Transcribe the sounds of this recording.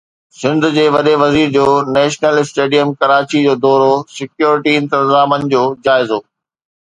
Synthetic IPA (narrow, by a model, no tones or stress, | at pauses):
sɪ̃nd̪ʱʊ̆d͡ʑeːʋɐɗeʋɐziːɾd͡ʑoːnɛːʃnəlɪsʈeːɖijəmkɐɾaːt͡ɕid͡ʑoːd̪ɔːɾosɪkjoːɾɪʈiɪ̃nt̪ɪnzaːmənɪ̆d͡ʑoːd͡ʑaːɪzoː